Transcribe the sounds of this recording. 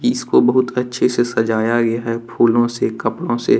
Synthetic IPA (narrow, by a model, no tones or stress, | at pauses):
ɪskobɐɦʊt̪ɐtːʃʰesesɐd͡ʒaːjaɡɐjaɦɛpʰuːlõsekɐpɽõse